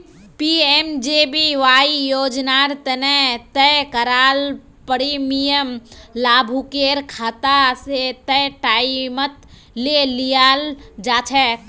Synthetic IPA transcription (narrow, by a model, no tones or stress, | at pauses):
piemd͡ʒebiʋaːijoːd͡ʒnaːɾt̪ənɛt̪əjkəɾaːl | pəɽimijəmlaːbʱukeːɾkʰaːt̪aset̪ɛjʈaːimət̪ | lelijaːld͡ʒaːt͡ʃʰɛ